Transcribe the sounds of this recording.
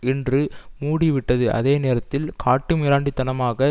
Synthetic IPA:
ɪndrɯmuːɽiʋɪʈːɐðɯʔɐ̰ðeːneːɾɐt̪ːɪlkʰaːʈːɯmɪɾaːɳɖit̪ːɐnɐmaːɣɐ

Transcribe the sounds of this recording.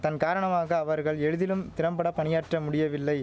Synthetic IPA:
t̪ɐnkaːɾɐɳɐmaːɣɐːʋɐɾɣɐɭɛɻɯðɪlɯmt̪ɪɾɐmbɐɽɐpɐnɪjaːʈrɐmʊɽɪjɐʋɪlːɐɪ

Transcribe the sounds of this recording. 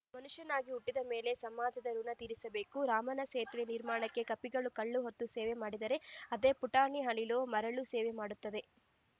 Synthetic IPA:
mɐnuʂjɐnaːɡiuʈːid̪ɐme̞ːle̞sɐmaːd͡ʒɐd̪ɐɾunɐt̪iːɾisɐbe̞ːkuɾaːmɐnɐseːt̪ʋeniɾmaːɳɐkːe̞kɐpːiɡɐɭukɐɭːuɦot̪ːuseːʋemaːɽid̪ɐɾe̞ɐd̪e̞ːpuʈaːɳiɦɐɳiloːmɐɾɐɭuseːʋemaːɽut̪ːɐd̪e̞

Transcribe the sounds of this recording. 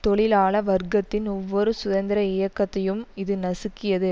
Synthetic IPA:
t̪ɔɭɪlaːɭɐʋɐɾɡɐt̪ːɪnɔʋːɔɾɯsʊðɐnd̪ɪɾɐɪjɐkːɐt̪ːɐjɯmɪðɯnɐsɯkːɪjɐðɯ

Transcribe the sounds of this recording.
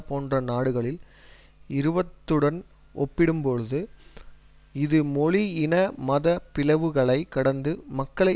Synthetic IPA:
poːndrɐnaːɽɯɣɐɭɪl | ɪɾɯbɐt̪ːɯɽɐn | ʔɔpːɪɽɯmpɔɻɯðɯ | ɪðɯmɔɻiɪnɐmɐðɐpɪlɐʋɯɣɐɭɐɪkːɐɽɐnd̪ɯmɐkːɐɭɐɪ

